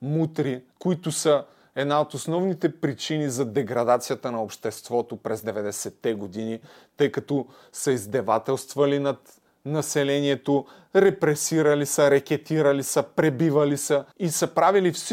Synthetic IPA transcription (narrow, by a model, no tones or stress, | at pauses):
mut̪ɾikoit̪ʊsə | ɛd̪naot̪osnɔvnit̪ɛpɾit͡ʃinizɐd̪ɛɡɾɐd̪at̪sijɐt̪ənɐopʃt̪ɛst̪vɔt̪opɾɛzd̪ɛvɛd̪ɛsɛt̪ːɛɡod̪ini | t̪ɤjkɐt̪ɔ | sɐizd̪ɛvat̪ɛlˠst̪vɐlinɐt̪ | nɐsɛlɛniɛt̪o | ɾɛpɾɛsiɾɐlisəɾɐkʲɛt̪iɾɐlisəpɾɛbivɐlisəisɐpɾavilifs